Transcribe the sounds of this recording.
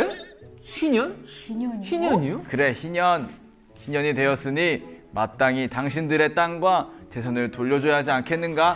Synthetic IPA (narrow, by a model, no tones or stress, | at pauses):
e | ɕiɲʌniɲɕiɲɲiokɯɾe̞çiɲʌn | çiɲʌɲidwe̞jʌs͈ɯɲimat͈aŋitaŋɕʰindɯɾe̞t͈aŋɡwat͡ɕe̞sʰʌnɯɭtoʎːʌd͡ʑojaɦad͡ʑiankʰe̞nːɯnɡa